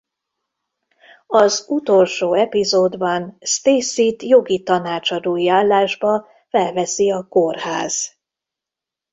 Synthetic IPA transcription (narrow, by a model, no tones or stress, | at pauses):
ɒzut̪o̞lʃoːɛpizoːd̪bɒnst̪eːsit̪jo̞ɡit̪ɒnaːt͡ʃɒd̪oːiaːlːaːʒbɒ | fɛlvɛsiɒkorhaːz̥